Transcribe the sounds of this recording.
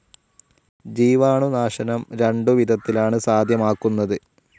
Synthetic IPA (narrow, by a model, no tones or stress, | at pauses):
d͡ʑiːʋaːɳunaːʂɐnɐmɾeɳɖuʋid̪ʱɐt̪ːilaːɳɨsaːd̪ʱjɐmaːkːunːɐðɨ